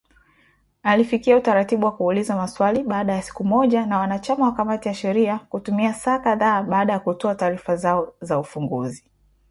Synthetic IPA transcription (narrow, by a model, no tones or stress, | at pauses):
alifikiautaɾatiɓuwakuːlizamaswaliɓaːɗajasi̥kumɔʄanawanat͡ʃamawakamatijaʃɛɾiakutumiasaːkaðaːɓaːɗajakutɔataːɾifazaɔzaufuŋɡṵzi